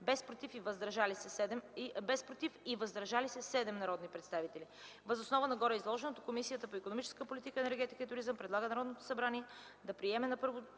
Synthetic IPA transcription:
bɛspɾot̪ifivəzd̪ɾʒalisɛɛd̪ɛmbɛspɾot̪ifivɐzd̪ɾɐʒalisɛsɛd̪ɛmnɐɾɔd̪nipɾɛt̪st̪avit̪ɛli | vəzosnɔvənɐɡɔɾɛizlˠɔʒɛnot̪o̥komisijət̪əpoikonomit͡ʃɛ̥skəpolit̪ikəɛnɛɾɡɛt̪i̥kiit̪ʊɾizəmpɾɛd̪lˠaɡənɐɾɔd̪not̪o̥sɐbɾaniɛ | d̪ɐpɾiɛmɛnɐpɤɾvo

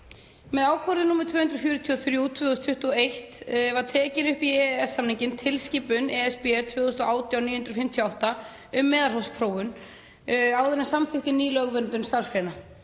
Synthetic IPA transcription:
mɛðaːwkʰɔɾðɪnuːmɛɾt̪ʰvʏːhʏnd̪ɾɔfjʏːɾʏt̪ʰiɔθɾjuwt̪ʰv̥ʏːðɔst̪fʏht̪uɔejht̪ɛvat̪ʰɛːcɪnʏhpiɛɛsːamniɲcɪnt̪ʰɪlsciːpʏnɛɛspɛɛɾt̪ʰvʏːðʏʏst̪ɔʔaːwt̪jawniːjʏnd̪ɾɔfɪm̥t̪ʰjɔawht̪a | ʏmːɛːðaɾɦawspʰɾoːwʏn | awðɛnːɪsamfɪht̪ɪniːlœɣvœnt̪ʏnst̪aɾ̥skɾejna

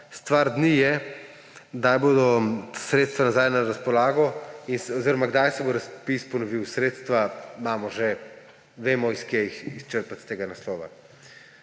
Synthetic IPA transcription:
st̪ʋaɾd̪nijɛ | ɡd̪ajboːd̪ɔsɾeːt̪st̪ʋanazajnaɾaspɔlaːɡɔinsɔziɾɔmaɡd̪ajsɛboɾaspispɔnɔʋiwsɾeːt̪st̪ʋamaːmɔʒɛ | ʋeːmɔiskjejixist͡ʃəɾpat̪st̪eːɡanaslɔːʋa̰

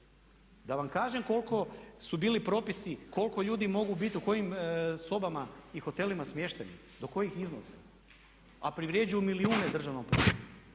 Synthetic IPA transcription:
d̪aʋamkaːʒe̞mko̞lˠko̞subiːlipɾo̞pisiko̞lko̞ʎuːd̪imo̞ɡubit̪iuko̞jimso̞bamaixo̞t̪e̞limasmje̞ʃt̪enḭ | d̪o̞ko̞jixizno̰se | apɾiʋɾjed͡ʑujumiliuːned̪r̩ʒaʋnompɾo̰

